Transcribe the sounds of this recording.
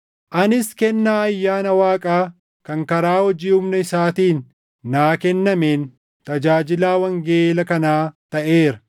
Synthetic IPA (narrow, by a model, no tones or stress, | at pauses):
ʔɐnɪskɛnːaːɐjːaːnɐwaːkʼaː | kɐŋkɐɾaːhɔd͡ʒiːhʊmnɐɪsaːt̪iːnː | aːkɛnːɐmeːn | t̪ɐd͡ʒaːd͡ʒɪlaːwɐŋɡeeːlɐkɐnaːt̪ɐʔeːɾɐ